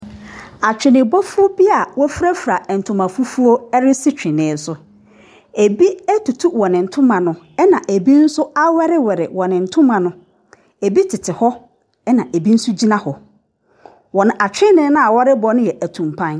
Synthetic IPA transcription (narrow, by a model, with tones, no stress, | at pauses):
a˨t͡ɕᶣɪ˨nɪ̃˨bɔ˦fʊ˦o˦bi˦a˨wɔ˦fɾæ˦fɾa˨n̩˨tʰʊ̃˨mã˨fu˦fu˦o˦ɛ˦ɾɪ˦sɪ˦t͡ɕᶣɪ̃˨nɪ̃ː˨sʊ˨ | e˨bi˦ɛ˦tʰu˨tʰu˦wɔ˨nɪ̃˨n̩˨tʰʊ̃˦mã˨nʊ̃˦ | ɛ˦nã˨ʔe˨bi˦n̩˦sʊ˦a˦wɛ˦ɾɪ˦wɛ˨ɾɪ̰˨wɔ˨nɪ̃˨n̩˨tʰʊ̃˦mã˨nʊ̃˦ | e˨bi˦tʰɪ˨tʰɪ˨hɔ˦ | ɛ˦nã˨ʔe˨bi˦n̩˦sʊ˦d͡ʑi˦nã˦hɔ˨ | wɔ˨nʊ̃˨ʔa˨t͡ɕᶣɪ̃˦nɪ̃˦nã˦a˨wɔ˦ɾɪ˦bɔ˦nʊ̃˦jɛ˨ʔæ˨tʰũ˨mpʰã˦n